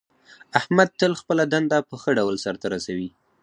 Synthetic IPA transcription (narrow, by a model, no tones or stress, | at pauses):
ahmad̪̚t̪əlxpəlad̪and̪apəxəɖawlsaɾt̪aɾasawi